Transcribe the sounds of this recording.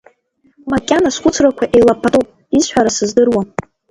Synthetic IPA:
makʲʼanasχʷʊt͡sʰrakʷʰaʔejlapʰatʼupʼ | isħʷaɾasɨzdɨrwa

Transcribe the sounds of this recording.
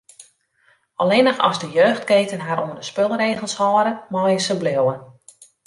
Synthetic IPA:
ɔlenəxɔ̰zdəjøːxtkeːtənɦaɾundəspølˠreːɣəlˠshɔːɾəmɔːjəsəblɪəwən

